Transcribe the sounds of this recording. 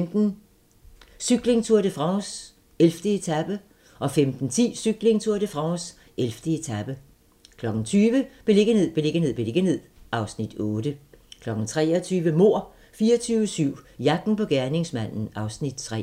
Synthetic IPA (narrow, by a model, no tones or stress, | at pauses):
md̥n̩ | syɡ̥le̝ŋt͡sʰuɐ̰d̥əfʁɑ̈ʊs | elfd̥əe̝t͡sʰæb̥ə | ʔɒ̽femd̥n̩t͡sʰḭːsyɡ̥le̝ŋt͡sʰuɐɾ̥əfʁɑ̈ʊs | elfd̥əe̝t͡sʰæb̥ə | kʰlɒ̽ɡ̥n̩t͡sʰyːʋəb̥e̝le̝ɡ̥əne̝ð̰ˠb̥e̝le̝ɡ̥ənḛb̥e̝le̝ɡ̥əne̝ð̰ˠʔɑ̈ʊsnid̥ɔːd̥əkʰlɒ̽ɡ̥n̩t͡sʰʁɛːɒt͡sʰyːʋəmo̝ɐ̰ | fiːɐt͡sʰyːʊəsyʊ̰jɑ̈ɡ̥n̩pɒ̽ɡ̥æɐne̝ŋsmæn̰n̩ʔɑ̈ʊsnid̥̚t͡sʰʁɛ̰